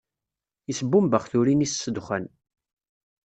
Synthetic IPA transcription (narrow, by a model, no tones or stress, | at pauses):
isəbːumbəχθuɾinissːəd̪χən